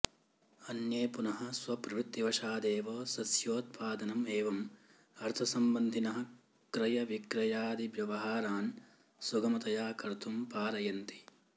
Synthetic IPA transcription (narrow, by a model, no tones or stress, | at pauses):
ɐnjeːpunɐɦɐ̆sʋɐpɾɐut̪ːiʋɐʃaːd̪eːʋɐːsɐsjoːt̪̚pʰaːd̪ɐnɐmeːʋɐm | ɐɾt̪ʰɐsɐmbɐnd̪ʱinɐɦɐ̆ | kɾɐjɐʋikɾɐjaːd̪iʋjɐʋɐɦaːɾaːn | suɡɐmɐt̪ɐjaːkɐɾt̪ʰumpaːɾɐjɐnt̪i̥